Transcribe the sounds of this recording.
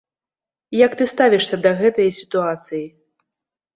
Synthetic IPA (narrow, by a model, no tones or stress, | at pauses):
jɐkt̪ɨst̪avʲiʂsʲɐd̪ɐɣɛt̪ɐjɐsʲi̥t̪uat̪sɨji